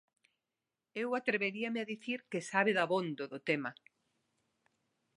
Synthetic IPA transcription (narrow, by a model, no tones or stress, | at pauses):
ewat̪ɾeβeɾiamɪaðiθiɾkesaβɪðaβond̪oðʊt̪emɐ